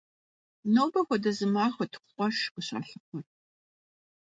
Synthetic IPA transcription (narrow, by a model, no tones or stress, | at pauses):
nowbɐxʷɔdɐzɨmaːχʷɐtʰʷχʷʼɔʃʊɕɐ̰ɬɨqʷʰɔr